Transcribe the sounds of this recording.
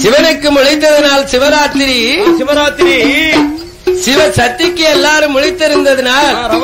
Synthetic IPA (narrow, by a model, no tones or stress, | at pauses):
sɪʋɐnɯkːɯmʊɻɪt̪ːɐðɯnaːlsɪʋɐɾaːt̪ːɪɾisɪʋɐɾaːt̪ːɪɾi | sɪʋɐsɐt̪ːɪkːɯɛlːaːɾɯmʊɻɪt̪ːɪɾɯnd̪ɐðɯnaːl